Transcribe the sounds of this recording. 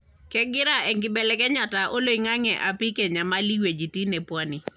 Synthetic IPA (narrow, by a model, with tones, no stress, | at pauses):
kɛ˦ɡɪ˦ɾa˦ʔɛ˨ŋɡɪ˨bɛ˨lɛ˨kɛ˦ɲa˨ta˨ʔo˦lo˦˨i˨ŋa˦ŋɛ˨ʔa˨pɪ˦kɛ˨ɲa˨ma˦li˦we˨d͡ʒi˨ti˦nɛ˨pwɔ˦ni˨